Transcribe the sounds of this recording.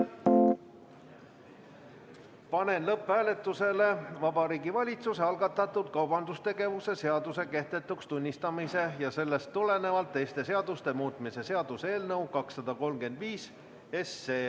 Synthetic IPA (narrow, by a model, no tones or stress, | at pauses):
pɑne̞nlɤpvæːle̞t̪ːˑuse̞le̞vɑbɑɾiːɡivɑlʲit̪suse̞ɑlɡ̥ɑt̪ːˑɑt̪ːˑud̪̥kɑwb̥ɑnd̪ust̪e̞ɡe̞vuse̞se̞ɑd̪use̞ke̞ht̪e̞t̪ːˑukst̪unʲːist̪ɑmise̞jɑse̞lːe̞st̪ːule̞ne̞vɑlt̪ːˑe̞jst̪e̞se̞ɑd̪̥ust̪e̞muːt̪ˑmise̞se̞ɑd̪̥use̞ːlnɤwkɑksːɑd̪̥ɑko̞lmke̞nd̪̥viːs | esːeː